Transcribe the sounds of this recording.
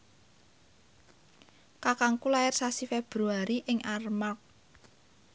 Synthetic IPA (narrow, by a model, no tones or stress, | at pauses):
kakaŋkulajarsasifeb̥ɾuaɾiʔɪŋʔarmak̚